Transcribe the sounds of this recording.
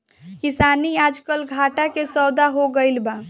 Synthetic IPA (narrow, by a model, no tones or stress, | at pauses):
kisaniad͡ʒkəlɡʱaʈakesəwd̪aɦoɡəɪlba